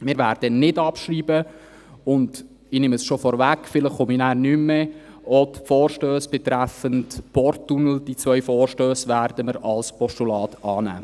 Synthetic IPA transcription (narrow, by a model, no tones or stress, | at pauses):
mɪːɾʋæːɾd̥ənɪdɑpʃriːbə | ʊnd | ɪnɪməsʃofɔɾvækːfɪləχχominæːɾnymːɛ | ɔtfɔːɾʃtøːsb̥ɛt̪ɾæfəntpɔɾtːunl̩d̥it͡sʋœʏfɔːɾʃtøːsʋæɾdəməɾɑlspɔʃtulɑːtɑːnæ̰ː